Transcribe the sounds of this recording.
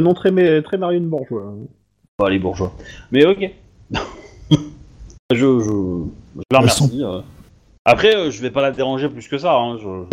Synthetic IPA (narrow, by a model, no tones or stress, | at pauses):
nɔ̃t̪χɛmɛt̪χɛmaʁjeynbuʁʒwã | alebuʁʒwamɛɔkʲe | aʒəʒəʒələʁmmɛʁssiø | apχɛøʒəvɛpalad̪eʁɑ̃ʒeplyskəsaɛ̃ʒə